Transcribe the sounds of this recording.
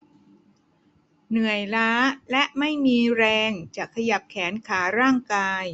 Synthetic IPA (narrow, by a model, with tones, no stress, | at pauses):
nɯ˨˩əjlaː˦˥lɛ˦˥ʔma˥˩jmiː˧ɾɛː˧ŋt͡ɕaː˨˩kʰːa˧ja˨˩p̚kʰɛː˩˦nkʰaː˩˦ɾaː˥˩ŋkaː˧j